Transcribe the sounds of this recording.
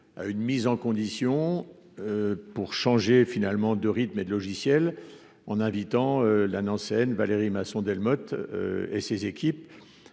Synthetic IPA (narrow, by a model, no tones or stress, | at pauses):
a̰ynmizɑ̃kɔ̃d̪isjɔ̃ | øpuʁʃɑ̃ʒefinalmɑ̃d̪əʁit̪med̪əlɔʒisjɛl | ɑ̃nɛ̃vit̪ɑ̃ølanɑ̃sɛnvaleʁimasɔ̃d̪ɛlmɔt̪ḛsezekʲip̚